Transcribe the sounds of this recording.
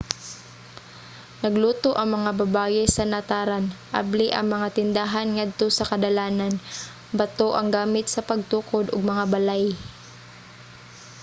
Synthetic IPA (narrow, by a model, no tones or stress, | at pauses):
nɐɡluːt̪oʔɐŋmɐŋabɐbaːjɛsɐnɐt̪aːɾanʔa̰blɪʔɐ̰ŋmɐŋat̪ɪnd̪aɦanŋad̪̚t̪o̞sɐkɐd̪ɐlaːnan | bɐt̪oʔɐŋɡaːmɪt̪sɐpɐɡ̚t̪uːkod̪oɡ̚mɐŋabɐlaj